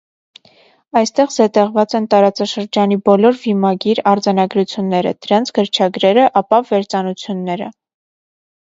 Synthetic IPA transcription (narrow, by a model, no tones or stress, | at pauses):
ɑjst̪ɛʁzɛt̪ɛʁvɑt͡sɛnt̪ɑɾɑt͡sɑʃəɾd͡ʒɑnibɔlɔɾvimɑɡiɾɑɾd͡zɑnɑɡɾut͡sʰjunːɛɾə̰d̪̥əɾɑnt͡sʰɡəɾt͡ʃʰɑɡɾɛɾəʔɑpɑvɛɾt͡sɑnut͡sʰjunːɛɾə̰